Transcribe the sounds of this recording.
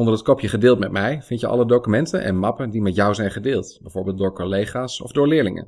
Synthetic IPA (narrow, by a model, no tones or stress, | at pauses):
ɔndərɦətkɔpʰjəχədɪːlˠtmɛtmɛjvɪntjəʔɑ̰lədowkymɛntə̰nʔɛ̰nmɑpəndimɛtjɔwzɛjnχədɪːlˠtbɛjvʊːɹbeːlˠt̚dʊːɹkolejχaːsɔ̰vdʊːɹlɪːɹlɪŋə̰n